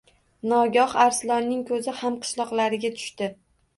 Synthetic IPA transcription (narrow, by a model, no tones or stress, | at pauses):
nɒɡʲɒhaɾslɒɾnɪŋkʰɵzɪhamqʰɨ̥ʃlˠɒqlˠaɾɪɡʲat̪ʰʊ̥ʃt̪ɪ